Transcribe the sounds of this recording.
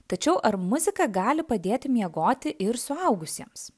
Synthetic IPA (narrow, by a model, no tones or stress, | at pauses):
t̪ɐt͡ʃʲɛʊʔɐɾmʊzʲɪkɐɡɑːlʲɪpɐd̪ʲeːt̪ʲɪmʲiɛɡoːt̪ʲɪʔɪɾsʊɐʊɡʊsʲiɛms